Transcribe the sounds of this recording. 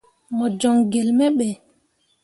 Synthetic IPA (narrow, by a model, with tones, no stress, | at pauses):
mɔ˨d͡ʒɔ˨ŋɡɛ˨lmɛ˦ɓɛ˨